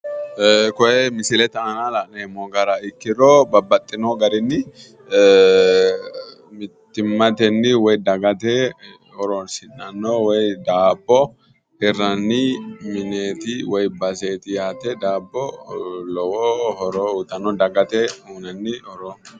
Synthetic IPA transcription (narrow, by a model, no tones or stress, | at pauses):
kɔjɛmɪsɪlɛt̪ɐɐnalanemɔɡɐɾɐɪkːɪɾoːbɐbːɐt̪ʼːɪnoɡɐɾɪnːɪ | mɪt̪ːɪmːɐt̪ɛnːɪwɔjd̪ɐɡɐt̪ɛ | hɔɾɔnsɪnːɐnːɔwɔjd̪aːbːɔ | hɛrɐnːɪmɪneːt̪ɪwɔjbɐse̞ːt̪ɪjaːt̪ɛd̪aːbːɔlɔwɔhɔɾɔut̪ːɐnɔd̪ɐɡɐt̪ɛhunɐnːɪhɔɾɔ